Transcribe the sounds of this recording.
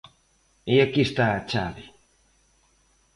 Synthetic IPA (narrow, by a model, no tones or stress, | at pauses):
ijakːist̪at͡ʃa̰li